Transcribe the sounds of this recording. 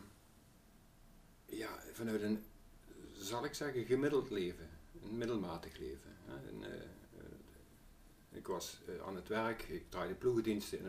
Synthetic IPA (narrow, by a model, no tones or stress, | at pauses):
jaːvɑnœɥtən | zɑlˠɪksɛɣəɣəmɪdəlˠtleːvəənmɪdəl̩ˠmaːtəxlḛːvəɦɛ̰ | ɪ̰kʋɑsa̰ːnətʋɛɹkɪktraːjdəpluɣədinstəɪ̰n